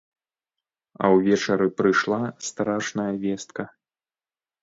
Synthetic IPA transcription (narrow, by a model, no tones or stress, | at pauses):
ɐ̰wvʲɛt͡ʂɐɾɨpɾɨʂlˠast̪ɾaʂnɐjɐvʲɛst̪kɐ